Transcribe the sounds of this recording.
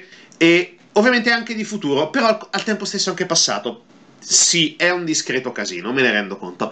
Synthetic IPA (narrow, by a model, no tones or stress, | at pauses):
e | ovːjament̪eaŋk̟ed̪ifut̪uːɾopeɾɔalt̪ɛmpost̪esːoaŋkepasːa̰ːt̪o | siɛund̪iskɾeːt̪okazḭːnomeneɾɛnd̪oko̰nt̪o